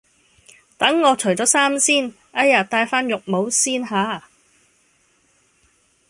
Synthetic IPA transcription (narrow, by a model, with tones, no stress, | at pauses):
t̪ɐ˨˥ŋːɔː˨˧t͡ʃʰɵ˨˩ɥt͡ʃɔː˨˥saː˥msiː˥n | ɐ˥jaː˨t̪aː˧jfaː˥njʊ˨k̚mo˨˥wsiː˥nɦaː˨˧˥